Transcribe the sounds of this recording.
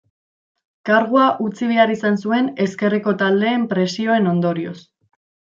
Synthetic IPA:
kaɾɣuaʔut͡siβ̞eaɾisansue̞ne̞ske̞reko̞t̪ald̪e̞ːmpɾe̞sio̞e̞no̞nd̪o̞ɾio̞̰s

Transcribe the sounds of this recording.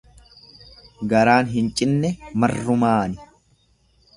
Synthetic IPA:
ɡɐɾaːnɦɪnt͡ʃʼɪnːɛmɐrːʊmaːnɪ̥

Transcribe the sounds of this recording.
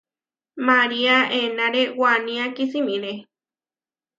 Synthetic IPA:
maɾiaenãɾewanĩakisimĩɾe

